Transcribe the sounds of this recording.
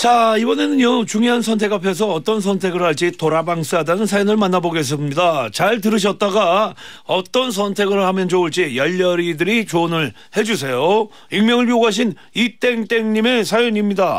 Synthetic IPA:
t͡ɕaibʌne̞nɯɲot͡ɕuŋjoɦansʰʌntʰe̞kapʰe̞s̬ʰʌːt͈ʌns̬ʰʌntʰe̞ɡɯɭhaɭt͡ɕ͈itoɾabaŋs͈ɯɦadanɯnsʰajonɯɭmanːaboɡes̬͈ɯmɲidat͡ɕaɭt̬ɯɾɯɕ̬ʰʌt̚t͈aɡaʌt͈ʌns̬ʰʌntʰe̞ɡɯɭhamjʌnt͡ɕouɭt͡ɕ͈ijʌʎːʌɾidɯɾit͡ɕonɯɭ | he̞d͡ʑus̬ʰe̞jo | iŋmjʌŋɯɭɥioɡɦaɕ̬ʰin | it͈e̞ŋt͈e̞ŋɲime̞sʰajoɲimɲida

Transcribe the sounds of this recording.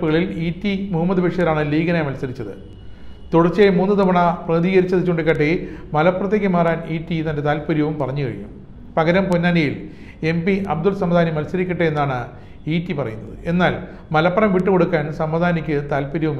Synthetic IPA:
pːuɣɐɭiliːtːimuɦɐmːɐd̪ɨbeʂjɐðɐlaːɳɨliːɣɐnaːjmɐlsɐɾit͡ɕːɐðɨ̰ | t̪oɽɐrt͡ɕːemuːnːɨt̪ɐmɐɳɐprɐðiːɣɐɾit͡ɕːɐðit͡ɕːoɳɖikːɐʈːemɐlɐpːrɐt̪ːeɣʲɨmaːraːniːtːit̪ɐnde̞t̪aːlpɐɾjɐʋumpɐrɐɲːukɐ̰ɻijṵm | pɐɣɐɾɐmponːaːnijil | e̞mpiʔɐb̚d̪ulsɐmɐd̪aːnimɐlsɐɾikʲːɐʈːɨe̞nːaːɳɨ | iːtːipɐrɐ̰junːɐðɨ̰ʔe̞nːaːl | mɐlɐpːɐrɐmʋiʈːɨko̞ɽukːaːnsɐmːɐd̪ʱaːnikʲːɨt̪aːlpɐɾjɐʋum

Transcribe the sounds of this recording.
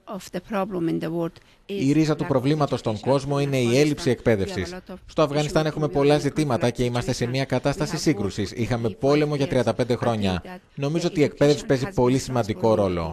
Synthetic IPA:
ɔfd̪əpʰɾɔblə̃mɪ̃nd̪əwɔd̥̪ | iɾizɐt̪upɾo̞vlimɐt̪o̞st̪o̞ŋɡo̞zmo̞ine̞ie̞lipsie̞k̚pe̞ðe̞fsisst̪o̞ɐfɣɐnist̪ɐne̞xume̞po̞lɐzit̪imɐt̪ɐce̞imɐst̪e̞se̞miɐkɐt̪ɐst̪ɐsisiŋɡɾusisixɐme̞po̞le̞mo̞ʝɐt̪ɾiɐnd̪ɐpe̞nd̪e̞xɾo̞ɲɐ | no̞mizo̞ot̪ie̞k̚pe̞ðe̞fsi̥pe̞zipo̞lisimɐnd̪iko̞ɾo̞lo̞̰

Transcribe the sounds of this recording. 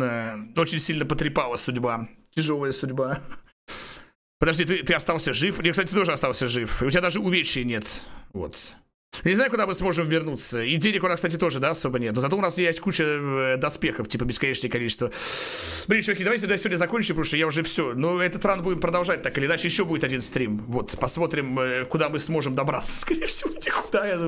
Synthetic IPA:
ao̞t͡ɕɪnʲsʲilʲnəpət̪ɾʲɪpalˠəsʊdʲbatʲɪʐo̞lˠəjəsʊdʲba | pəd̪ɐʐdʲit̪ɨt̪ɨɐst̪alˠsʲəʐɨfnʲeksatɪt̪ɨt̪o̞ʐɨɐst̪alˠsʲəʐɨfʊtʲɪbad̪aʐɨʊvʲeɕɪjənʲe̞t̪vo̞̰t̪ | nʲɪznajʊkʊd̪amɨsmo̞ʐɨmvʲɪrnut̪səidʲenʲɪkʊnaskst̪at̬ʲɪt̪o̞ʐɨd̪aɐso̞bənʲet̪nozɐt̪oʊnasʲejesʲt̚ʲkut͡ɕɪd̪ɐspʲe̞xəftʲipəbʲɪskɐnʲet͡ɕnəjəkɐlʲit͡ɕɪst̪və | bɾʲit͡ɕvɐkʲijd̪vaɪtʲɪt̪d̪jasʲɪvodʲnəzɐkonʲt͡ɕʊpɾuʂjaʊʐɛfsʲo̞noɛt̪ət̪ɾanbudʲɪmpɾəd̪ɐlˠʐat̚ʲt̪akɨlʲɪnat͡ɕɪjɪɕːo̞budɪt̪ɐdʲinst̪ɾʲimvo̞t̪pɐsmo̞t̪ɾʲɪməkʊd̪amɨsmo̞ʐɨmd̪ɐbɾat̪sːə̥skɐɾʲejəfsʲɪvonʲɪkʊ̥d̪aj

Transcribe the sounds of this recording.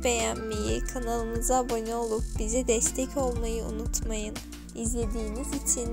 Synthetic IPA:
bejanmejikʰanalˠɯmɯzabo̞nʲio̞lˠup̚bizɛd̪ɛst̪ʰɛcʰo̞lˠmajɯṵnut̪ʰmajɯn | izlʲe̞d̪iːnizit͡ʃʰin

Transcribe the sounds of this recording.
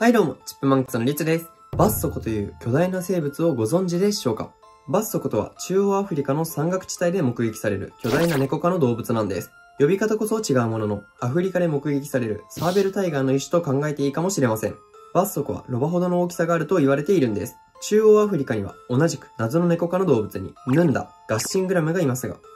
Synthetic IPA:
haid̪o̞ːmo̞̰t͡ɕi̥pːɯ̟mãŋkɯ̥t͡sɨno̞ɾʲit͡sɨd̪e̞sɨ̥ | basːo̞kɯ̟̥t̪o̞jɯ̟ːkʲo̞d̪ainase̞ːbɯ̟t͡sɨo̞ɡo̞zõ̞ɲ̟d͡ʑid̪e̞ɕo̞ːka̰ | basːo̞kɯ̟t̪o̞βa̰t͡ɕɨːoːaɸɯ̟ɾʲikano̞sãŋɡakɯ̟̥t͡ɕi̥t̪aid̪e̞mo̞kɯ̟ɡekʲi̥saɾe̞ɾɯ̟̰kʲo̞d̪ainane̞ko̞kano̞d̪o̞ːbɯt͡sɨnãnd̪e̞̰sɨ̥ | jo̞bʲikat̪ako̞so̞t͡ɕiɡaɯ̟mo̞no̞no̞ | aɸɯ̟ɾʲikad̪e̞mo̞kɯ̟ɡe̞kʲi̥saɾe̞ɾɯ̟̰saːbe̞ɾɯ̟t̪aiɡaino̞iɕi̥t̪o̞kãŋɡae̞t̪e̞iːkamo̞ɕiɾe̞masẽ̞̰ŋ | b̥asːo̞kɯ̟βa̰ɾo̞baɦo̞d̪o̞no̞ːkʲi̥saɡaːɾɯ̟t̪o̞iβaɾe̞t̪e̞iɾɯ̟̃nd̪e̞̰sɨ̥ | t͡ɕɨːoːaɸɯ̟ɾʲikaɲ̟iβa̰o̞naʑikɯ̟̥nazɨno̞ne̞ko̞kano̞d̪o̞ːbɯ̟t͡sɨɲ̟ḭnɯ̟̃nd̪a̰ɡ̥aɕĩŋɡɯ̟ɾamɯ̟ɡaimasɨɡa̰

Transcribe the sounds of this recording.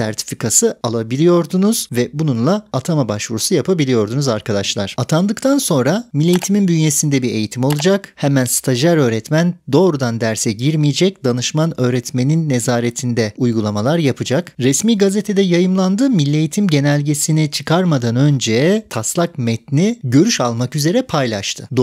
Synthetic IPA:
sæ̰ɾt̪ʰi̥fikʰasɯalˠabilʲijo̞ɾd̪unuz̥vɛbununlˠaat̪ʰamabaʃvuɾusujapʰabilʲijo̞ɾd̪unuzaɾkʰad̪aʃlˠaɾ̥at̪ʰand̪ɯkt̪ʰanso̞nɾamilʲːe̞jit̪ʰiminbynjesind̪ɛbiɾe̞̰jit̪ʰimo̞lˠud͡ʒakhɛmænst̪ʰaʒaɾø̞ːɾɛt̪mænd̪o̞ːɾud̪and̪æɾsɛɟiɾmijed͡ʒɛc̚d̪anɯʃmanø̞ːɾɛt̪me̞ninːe̞zaːɾet̪ʰind̪ɛujɡulˠamalˠaɾjapʰɯd͡ʒakɾɛsmiːɡazet̪ʰe̞d̪ɛjajɯmlˠand̪ɯmilʲːejit̪ʰimɟe̞nɛlʲɟe̞sinit͡ʃʰɯkʰaɾmad̪anø̞nd͡ʒɛjɛt̪ʰaslˠakmɛt̪niɟø̞ɾyʃalˠmakyze̞ɾɛpʰajlʲˠaʃt̪ʰɯd̪

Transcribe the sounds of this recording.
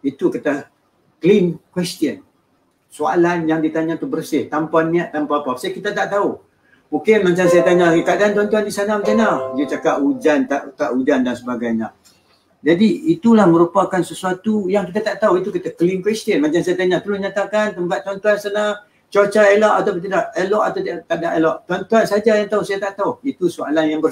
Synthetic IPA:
it̪ukit̪a | klinkwɛst̪iən | soa̰lanjaŋdit̪aɲãt̪ubərsɪht̪ampanːiaʔt̪ampaapapasakit̪at̪aʔt̪au | mũŋkɪnmat͡ʃaŋsajat̪aɲakadaant̪uwant̪uandisanaməkanad͡ʒət͡ʃakaʔud͡ʒant̪aʔkaʔud͡ʒandansəbaɡajɲa | d͡ʒadiit̪ulahmə̃ɾupakansəsuat̪ujaŋkit̪at̪aʔt̪auit̪ukit̪akliŋkwɛst̪ənmaɲt͡ʃaŋsajat̪aɲãt̪əlʊsɲat̪akant̪əmpat̪̚ːant̪uansana | t͡ʃot͡ʃaelɔʔat̪awpət̪idaʔelɔʔat̪at̪aʔdaʔelɔʔt̪uant̪uansad͡ʒajaŋt̪ausajat̪aʔt̪auhit̪usoalanjaŋbə

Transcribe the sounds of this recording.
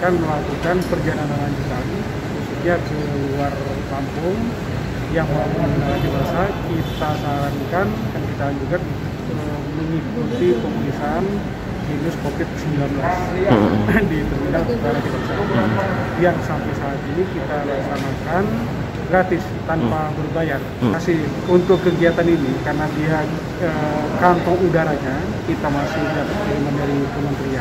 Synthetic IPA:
kanməlakukanpərd͡ʒanananand͡ʒut̪an | kususɲakə | luar | kampʊŋ | jaŋmauŋlakibasakit̪asaɾaŋkankankid̪and͡ʒuɡa | ə | məŋikut̪ipəmlisan | minʊskofɪt̪̚səmbilanbəlas | dit̪ərbinartaɾat̪ik̪əsa | jaŋsampajsaːt̪inikit̪alasamakan | ɡɾat̪ɪs | t̪anpabərbajar | asɪ | unt̪ʊkːəɡiat̪aninikaɾənadia | əkant̪ɔŋudaɾaɲa | kit̪amasɪhijap̪alimandaɾikəmənt̪ɾia

